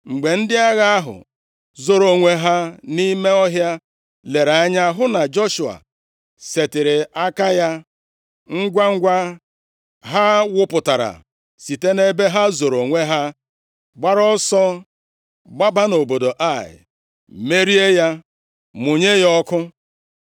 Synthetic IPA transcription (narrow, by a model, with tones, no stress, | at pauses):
ŋ͡m̩˨ɡ͡be˨n̩˦dɪ˦a˦ɣa˦a˦ɦʊ̰˨ | zo˨ɾo˨ŋʷe˦ɦa˦ni˦me˦ɔ˦ɦja˦ | le˨ɾa˨a˦ɲa˦ɦʊ˦na˨d͡ʒo˦ʃu˨a̰˨ | se˨tɪ˨ɾɪ˨a˦ka˦ja˦ | ŋ̩˦ɡʷa˦ŋ̩˦ɡʷa˦ | ɦa˦wʊ˦pʊ˨ta˨ɾa̰˨ | si˨te˦ne˦be˦ɦa˦zo˨ɾo˨ŋʷe˦ɦa˦ | ɡ͡ba˦ɾɔ˦sɔ˦ | ɡ͡ba˦ba˦no˨bo˨do˨ʔa˦˨ɪ̰˨ | me˦ɾi˦e˦ja˦ | mʊ˨ɲe˦jɔ˦kʊ˦